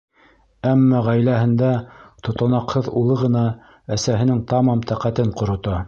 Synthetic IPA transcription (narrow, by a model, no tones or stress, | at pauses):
æmːɑʁæjlæhɘ̆nd̪æt̪ŏt̪ɑ̆nɑqhɤðulˠɤʁɤ̆nɑ | æsæɦɘ̆nɘŋt̪ɑmɑmt̪ʰæqæt̪ɘɴqŏɾŏt̪ɑ